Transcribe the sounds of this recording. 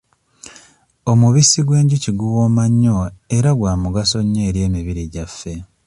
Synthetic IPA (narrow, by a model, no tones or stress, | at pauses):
o̞muβisiɡwe̞ːɲɟuciɡuwo̞ːmaɲːo̞e̞ɾaɡwaːmuɡaso̞ɲːe̞ːɾje̞ːmiβiɾiɟafːe̞